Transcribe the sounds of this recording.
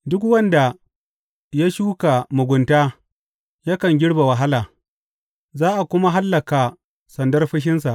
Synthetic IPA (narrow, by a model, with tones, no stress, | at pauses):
dʊ˦kwɐ˦nda˨ | ja˦ʃuː˦ka˨mʊ˨ɡʷʊ˨ntaː˦ | ja˦kɐ˨ŋɡʲɪ˦ɽba˨wɐ˨ɦa˦laː˨ | zaː˦ʔa˨kʷʊ˦ma˦ɦa˦lːɐ˨ka˨ | sɐ˨ndɐ˦rɸɐ˦ʃ̬ɪ˦ns̬a˨ʔ